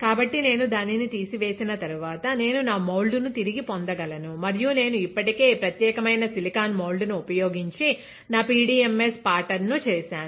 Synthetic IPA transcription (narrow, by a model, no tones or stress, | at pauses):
kaːbɐʈːine̞ːnud̪aːninit̪iːsiʋe̞ːsinɐt̪ɐɾuʋaːt̪ɐne̞ːnunaːmɐwlɖunut̪iɾiɡipond̪ɐɡɐlɐnumɐɾijune̞ːnuipːɐʈike̞ːpɾɐt̪jɛːkɐmɐjnɐsilikaːnmowɭɖunuupɐjo̞ːɡiɲt͡ʃi | naːpiːɖiːemːespaːɾʈɐɾnut͡ʃɛːsaːnu